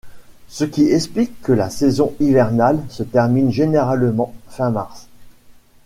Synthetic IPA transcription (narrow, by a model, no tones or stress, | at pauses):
səkʲiɛksplikːəlasɛzɔ̃ivɛʁnalsət̪ɛʁminʒeneʁalmɑ̃fɛ̃maʁs